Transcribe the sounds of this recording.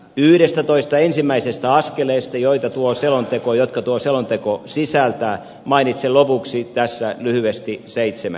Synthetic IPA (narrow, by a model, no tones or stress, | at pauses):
yhɾest̪æt̪oist̪ɑensimːæisest̪æɑskeleːst̪ɑjoit̪ɑt̪uoselont̪ekojot̪kɑt̪uoselont̪ekosisælt̪æː | mɑinit̪selopuksit̪æsːælyhyest̪iseit̪semæ̰